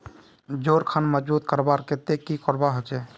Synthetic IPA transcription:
d͡ʒoɾkʰanməd͡ʒbut̪̚kəɾbaɾket̪ekikɔɾbaɦot͡ʃɛ

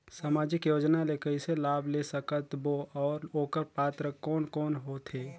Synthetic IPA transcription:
saːmaːd͡ʒɪkjoːd͡ʒnalekəiselaːbʱlesəkət̪boʔɔːɾoːkəɾpaːt̪ɾəkɔːnkɔːnɦoːt̪ʰɦeː

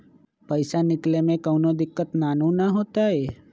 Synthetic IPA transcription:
pəɪsanɪklemẽkəʊnod̪ɪkːət̪naːnũnaɦoːt̪aɦɛː

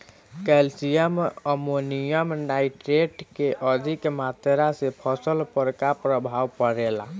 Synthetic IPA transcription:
kɛlsijəməmonijəmnaiʈɾeʈkeʔəd͡ʒikemat̪eɾasepʰəsəlpəɾkapɾəbʱawpəɾela

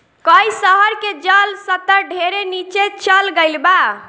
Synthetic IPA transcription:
kəisəɦəɾked͡ʒəlsət̪əɾɖʱeɾenit͡ʃet͡ʃəlɡəɪlba

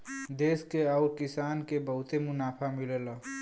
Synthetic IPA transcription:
d̪eːskeɔːɾkɪsaːnkebəɦʊt̪emʊnaːpʰamilelə

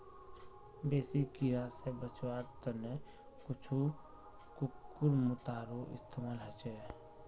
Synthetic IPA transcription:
beːsikiɾasebət͡ʃwaɾt̪əne | kʊt͡ʃʰu | kukːʊɾmʊt̪aːɾoʔɪ̰st̪ʰemaːlɦət͡ʃɛ

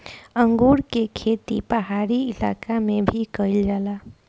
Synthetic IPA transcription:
ə̃ŋɡuːɾkekʰeːt̪ipəɦaːɾiɪla̰ːkamẽbʱikəɪld͡ʒaːlaː

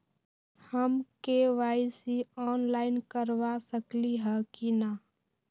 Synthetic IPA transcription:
həmkeʋaːɪsiɔːnlaːɪnkəɾwasəkliɦɛkinaː

